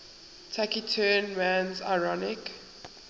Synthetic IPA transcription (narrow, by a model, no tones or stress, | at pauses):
tʰakitʰɜnmãnza̰ɪɹɔnɪk